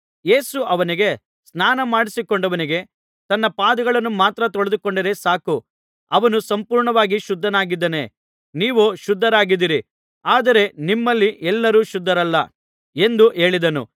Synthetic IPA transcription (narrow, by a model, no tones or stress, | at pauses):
je̞ːsuʔɐʋɐniɡe̞ | snaːnɐmaːɽisikoɳɖɐʋɐniɡe̞ | t̪ɐnːɐpaːd̪ɐɡɐɭɐnːumaːt̪ɾɐt̪ɔɭed̪uko̞ɳɖiɾe̞saːku | ɐʋɐnusɐmpuːɾɳɐʋaːɡiʃud̪ʱːɐnaːɡid̪ːɐne̞ | niːʋuʃud̪ʱːɐɾaːɡid̪ːiɾi | aːd̪ɐɾe̞nimːɐlːiʔɛlːɐɾuːʃud̪ːɐɾɐlːɐ | e̞nd̪uʔe̞ːɭid̪ɐnṵ